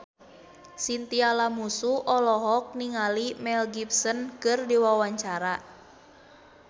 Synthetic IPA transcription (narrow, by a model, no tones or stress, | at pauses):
sint̪ialamusuʔɔlɔɦɔk̚niŋalimɛlɡip̚sɔnkɨrdiwawaɲt͡ʃaɾa